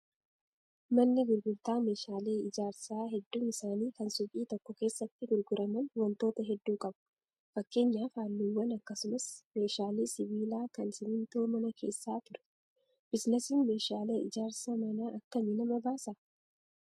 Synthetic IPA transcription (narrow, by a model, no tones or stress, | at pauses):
mɐnːɪɡʊɾɡʊɾt̪aːme̞ːʃaːle̞ːɪd͡ʒaːɾsaːɦɛd̪ːuːmɪsaːniːkɐnsʊɡʼiːt̪ɔkːɔke̞ːsːɐt̪ːɪɡʊɾɡʊɾʔɐmɐnwɐnt̪o̞ːt̪ɐɦɛd̪ːuːkʼɐbʊ̥ | fɐkːe̞ːɲːaːfaːnːuwːɐnɐkːɐsʊmɐsme̞ːʃaːleːsɪβiːlaːkɐnsɪnɪnt̪oːmɐnɐkʰe̞ːsːaːt̪ʊɾɛ̥ | b̥ɪsnɛsɪnme̞ːʃaːle̞ːʔɪd͡ʒaːɾsɐmɐnaʔɐkːɐmɪnɐmɐbaːsɐ